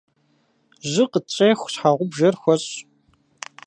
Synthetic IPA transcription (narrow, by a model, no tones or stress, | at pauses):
ʑɪqət͡ɕʼeːxʷɕħaʁʷʊbʒɐrxʷɔɕ